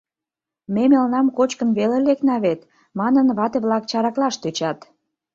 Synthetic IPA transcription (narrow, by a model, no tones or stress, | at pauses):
memelnɑmkot͡ɕkənβeleleknɑβet̪ | mɑnənβɑt̪eβlɑkt͡ɕɑɾɑklɑʃt̪øt͡ɕɑt̪